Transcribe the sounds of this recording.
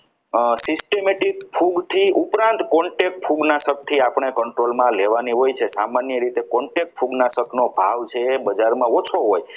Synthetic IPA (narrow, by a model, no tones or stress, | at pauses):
sisʈemeʈikpʰuɡt̪ʰiupɾãnt̪kɔɳʈek̚pʰuɡnasək̚t̪ʰiapɳ̃ekəɳʈɾolmãleʋaniɦojt͡ʃʰesamanjəɾit̪ekɔɳʈek̚ʈ̚pʰuɡnasəknobʱa̰ʋt͡ʃʰebəd͡ʒaɾmãot͡ʃʰoɦoj